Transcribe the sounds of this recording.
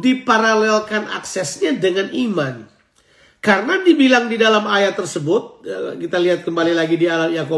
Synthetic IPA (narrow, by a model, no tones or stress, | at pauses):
dipaɾalɛlkanʔa̰ksɛsɲadəŋaniman | karənadibilaŋdidalamajat̪ərsəbʊt̪̚kit̪aliɦat̪̚kəmbalilaɡidialaljako